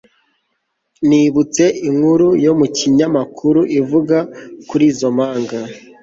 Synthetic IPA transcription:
niβut͡se̞iŋhuɾujo̞muciɲamakʰuɾuʔivuɡakuɾiːzo̞maːŋɡa

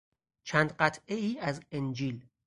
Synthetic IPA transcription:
t͡ʃʰænd̪ɢæt̪ʰʔeiːæzend͡ʒiːl

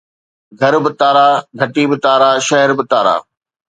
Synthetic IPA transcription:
ɡʱɐɾbɪt̪aːɾaːɡʱɐʈibɪt̪aːɾaʃɐɦɛɾbɪt̪aːɾa̰ː

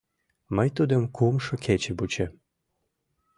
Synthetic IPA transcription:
məjt̪ud̪ə̆mkʰumʃɤ̆kʰet͡ɕebut͡ɕe

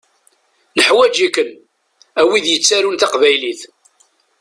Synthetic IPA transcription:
nəħwæd͡ʒikːən | æwiðjət͡sːæɾunt̪aqvæjliθ

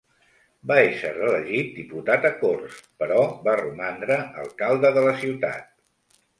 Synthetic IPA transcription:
baeʃə̰rələʒit̪̚d̪iput̪at̪əkorspəɾɔβarumand̪ɾəə̰lˠkalˠd̪əðələsiwt̪a̰t̪̚

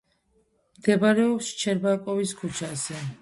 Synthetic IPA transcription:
md̪̥ɛbaɾɛɔpst͡ʃʰɛɾbakʼɔviskʰut͡ʃʰasɛ

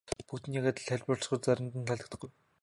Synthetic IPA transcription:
pukt̪nikat̪ə̆ɮʰæɮʲpɔɮ̆sχɞ̆rt͡saɾʲə̆mt̪ə̆nt̪ʰːaɮə̆t̪ə̆χɡuj

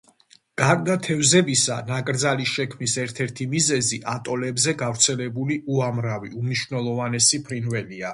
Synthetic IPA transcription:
ɡ̥aɾd̪at̪ʰɛvzɛbisanakʼɾd̪zalisʃɛkʰmisɛɾt̪ʰɛɾt̪ʰimizɛziʔat̪ʼɔlɛbzɛɡavɾt̪sʰɛlɛbuliuamɾaviumniʃwvnɛlˠɔvanɛsipʰɾinvɛlia

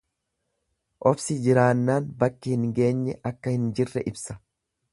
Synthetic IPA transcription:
ʔɔfsɪd͡ʒɪɾaːnːaːnbɐkːɪhɪŋɡe̞ːɲːɛʔɐkːɐhɪnd͡ʒɪrːɛʔɪbsɐ̥

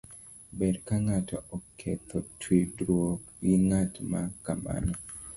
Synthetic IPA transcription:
bɛdkaŋatɔɔkʰːɛt̪ʰɔtʰwidɾwok | jiŋatmakama̰nɔ

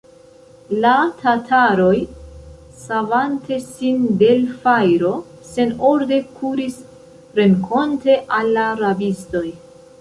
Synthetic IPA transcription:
latʰatʰaɾo̞j | savantʰe̞sinde̞lfajɾo̞ | se̞no̞ɾde̞kʰuɾis | ɾe̞ŋkʰo̞nte̞ʔalːaɾabisto̞j

